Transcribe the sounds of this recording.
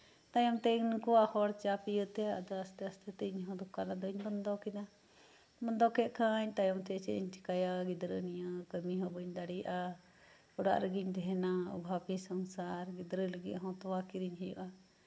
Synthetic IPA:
t̪ajɔmt̪ɛinkɔwahɔɽt͡ʃapijət̪ɛa̰d̪ɔast̪ɛɐst̪ɛt̪ɛiɲɦɔ̃d̪ukanad̪ɔiɲbənd̪ɔkina | bənd̪ɔkɛʔkãɲt̪ajɔmt̪ɛt͡ʃɛʔiɲt͡ʃi̥kajaɡid̪ɾənijakəmiɦɔbəɲd̪aɽiʔa | ɔɽa̰ʔɾəɡiɲd̪ʱɛɛnaṵbʱapisəŋsaɾɡid̪ɾələɡiʔaɦɔ̃t̪ɔwakiɾiɲɦɛjɔʔa

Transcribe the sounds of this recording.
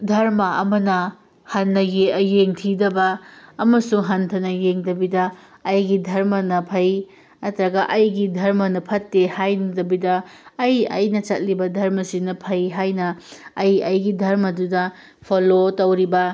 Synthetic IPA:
dʱɐɾmɐɐmɐnɐ | hɐnːɐjejeŋtʰidɐbɐːmɐsuɦɐntʰɐnɐjeŋdɐbidɐː | jɡidʱɐɾmɐnɐpʰɐj | ɐtɾɐɡɐʔɐjɡidʱɐɾmɐnɐpʰɐtːehajndɐbidɐːjɐ̰jnɐt͡ʃɐt̚libɐdʱɐɾmɐsinɐpʰɐjɦajnɐːjɐjɡidʱɐɾmɐdudɐ | pʰolotɐwɾibɐ

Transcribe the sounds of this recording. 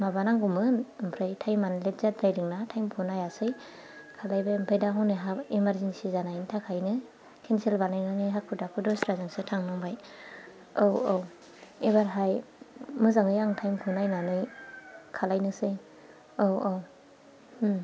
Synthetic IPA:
mabanaŋɡumɯnmpʰɾɯjtʰajmanlet̚zatɾajdiŋnatʰajmkʰunajasɯj | kʰalajbaɯmpʰɾɯjdaɦɔwnɯjɦaimaɾzensizanajntʰakʰajnɯ | kʰenselbanajnaŋɯjɦak̚pʰɯdapʰɯdɔsɾazɯŋsɯtʰaŋnɔŋbaj | owow | ebaɾɦajmɯzaŋɯjaŋtʰajmkʰunajnanɯjkʰalajnɯsɯj | owow

